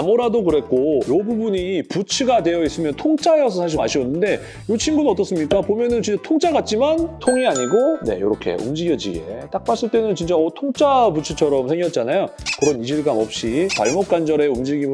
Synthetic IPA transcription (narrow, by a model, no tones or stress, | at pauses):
amoɾadokɯɾe̞t̚k͈ojobubuɲiput͡ɕʰɯɡadwe̞jʌis͈ɯmjʌntʰoŋt͡ɕʰaeʌsʰʌsʰaɕ̬ʰimaɕʰiʌnːɯnde̞ | jot͡ɕʰimɡunʌt͈ʌs͈ɯmɲik͈apomjʌnɯnt͡ɕint͡ɕ͈atʰoŋt͡ɕ͈ʰaɡat̚t͡ɕ͈imantʰoŋiaɲiɡone̞̰jo̰ɾʌkʰe̞̰ṵmd͡ʑiɡjʌd͡ʑḭɡe̞̰t͈ak̚p͈as͈ɯɭt͈e̞nɯnt͡ɕint͡ɕaʌtʰoŋt͡ɕ͈ʰaput͡ɕʰɯt͡ɕʰʌɾʌmsʰe̞ŋɡjʌt̚t͡ɕ͈anajokɯɾʌnid͡ʑiɭɡamʌp̚ɕ͈ipa̰ɭmok̚k͈and͡ʑʌɾe̞umd͡ʑiɡim